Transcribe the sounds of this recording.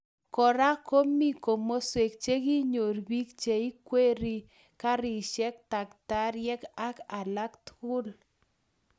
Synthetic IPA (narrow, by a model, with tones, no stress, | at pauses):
kɔ˨ɾa˦ko˦mi˦ko˨mo˦swe˨k̚t͡ʃe˦ɡi˦ɲo˨ɾbi˦k̚t͡ʃe˨i˦kwe˦ɾi˦ | ka˦ɾi˨ʃɛ˦k̚ta˨kta˦ɾjɛ˦ka˦ka˨la˦kt̪ʊ˦l